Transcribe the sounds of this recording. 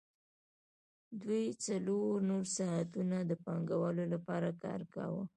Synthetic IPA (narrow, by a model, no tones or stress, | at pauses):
d̪wujt͡saloɾnoɾsaat̪unad̪əpɑŋɡawəlolapɑɾakɑ̰ɾka̰wə